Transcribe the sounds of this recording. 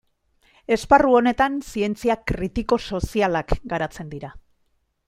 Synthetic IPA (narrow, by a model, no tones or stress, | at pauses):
e̞sparuo̞ne̞t̪ansie̞nt͡siakɾit̪iko̞so̞sialakɡaɾat͡se̞nd̪iɾa